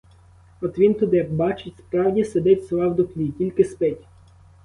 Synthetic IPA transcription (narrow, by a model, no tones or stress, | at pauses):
ɔt̪ʋʲint̪ɔd̪ɪjɐkbɑt͡ʃɪtʲspɾɑwdʲised̪ɛtʲslˠɑwd̪ʊklʲitʲilʲkɪspɛtʲ